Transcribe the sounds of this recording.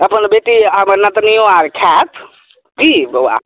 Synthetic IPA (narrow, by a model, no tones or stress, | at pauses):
əpənbeʈiɦəməɾnət̪nijoaɾkʰat̪ʰ | kibwa̰